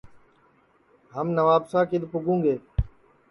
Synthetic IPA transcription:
ɦəmnəʋaːbsãːkɪɗ̪pʊɡũːɡeː

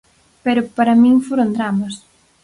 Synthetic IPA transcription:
peɾʊpaɾɐmĩŋfoɾond̪ɾamɐs

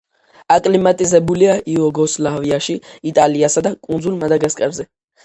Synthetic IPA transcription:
akʼlimat̪ʼizɛbuliaʔiɔɡɔslaviaʃiːt̪ʼaliasad̪akʼund̪zulˠmad̪aɡaskʼɛvzɛ

